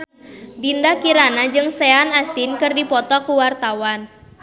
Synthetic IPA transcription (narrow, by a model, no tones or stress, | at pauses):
dindakiɾanad͡ʒɨŋseanast̪inkɨrdipɔt̪ɔkuwart̪awan